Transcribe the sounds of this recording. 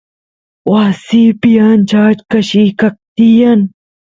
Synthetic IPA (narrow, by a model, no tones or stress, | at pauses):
waːsiːpijant͡ʃaːt͡ʃkɐɕiːkɐk̚t̪ijan